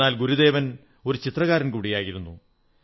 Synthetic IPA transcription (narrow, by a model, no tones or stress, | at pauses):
aːlɡuɾud̪e̞ːʋɐn | o̞ɾut͡ɕit̪rɐɣaːɾɐnkuːɽijaːjiɾunːu